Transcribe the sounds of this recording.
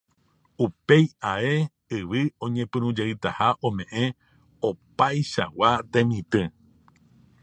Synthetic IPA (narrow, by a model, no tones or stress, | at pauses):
upe̞jae̞ | ɨʋɨõ̞ɲẽpɨ̃ɾ̃ũd͡ʒeɨt̪ahaʔõmẽ̞ʔẽ̞ | opajʃa̰wat̪ẽmĩt̪ɨ